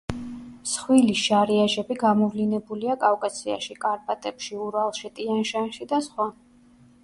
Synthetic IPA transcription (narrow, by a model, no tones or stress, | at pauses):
sχwiliʃaɾiaʒɛbiɡamɔvlinɛbuliakʼafkʼasia̰ʃikʼaɾpʼat̪ʼɛpʃiuɾalˠʃit̪ʼianʃanʃid̪asχwa